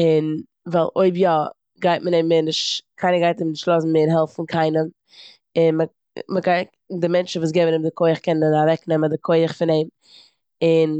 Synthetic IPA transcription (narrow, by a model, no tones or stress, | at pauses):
ɪn | valˠʔoɪbjɔ | ɡaɪt̚məneɪmɪnɪʃtkʰaɪnəɡaɪtemnɪʃtlˠɔzn̩meːɾɦɛlˠfn̩kʰaɪnəm | ɪnmə | məkaɪ | dɪmɛnt͡ʃn̩vuːs̬ɡɛɪbənɪmdɪkʰoɪəχkɛnənavɛknɛmədɪkʰoɪəχfɪneɪm | ɪn